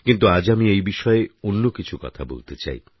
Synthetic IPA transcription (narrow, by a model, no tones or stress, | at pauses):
kint̪uad͡ʑamiejbiʃɔeonːokit͡ɕʰukɔ̰t̪ʰabo̰lt̪et͡ɕa̰j